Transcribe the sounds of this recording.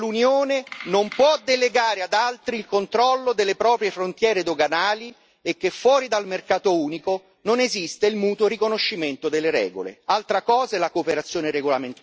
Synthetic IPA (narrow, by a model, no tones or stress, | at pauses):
lunjoːnenompwɔd̪eleɡaːɾead̪alt̪ɾiːlkont̪ɾɔlːod̪elːepɾɔːpɾjefɾont̪jɛːɾed̪oɡanaːli | ek̟ːefːwɔːɾid̪almerkaːt̪ouːniko | nonezist̪eilmuːt̪orikonoʃːiment̪od̪elːeɾɛ̰ːɡo̰lḛalt̪ɾakɔːzaɛlakoːpeɾat̪sːjoːneɾeɡolament̪